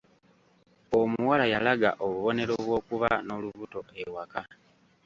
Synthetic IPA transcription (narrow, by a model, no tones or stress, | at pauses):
omuwalajalaɡa̰ʔoβuβo̞ne̞ɾo̞βwo̞ːkuβano̞luβuto̞ewaka